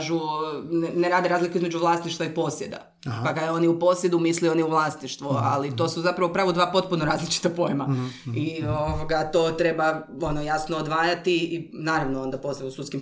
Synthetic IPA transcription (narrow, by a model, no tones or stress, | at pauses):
ʒunneɾaːd̪eɾaːzlikuizmed͡ʒuʋlˠaːst̪niʃt̪ʋaipo̞sjed̪a̰ | pakaeo̞niupo̞sje̞d̪umisleoniuʋlˠaːst̪niʃt̪ʋua̰lit̪o̞ːsuzapɾɐʋopɾaːʋud̪ʋaːpo̞t̪̚punoɾaːzlit͡ʃi̥t̪apo̞jemaioʋoɡat̪oːt̪ɾe̞bao̞nojasnoːd̪ʋaːjat̪iːnaːɾaʋnoo̞nd̪aposeusut̪skim